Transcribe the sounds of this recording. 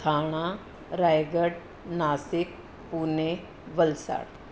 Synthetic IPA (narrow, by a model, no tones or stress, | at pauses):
t̪ʰaːɽ̃a | ɾaːjɡəɽ | naːsɪk̚ | puːne | ʋəlsa̰ːɽ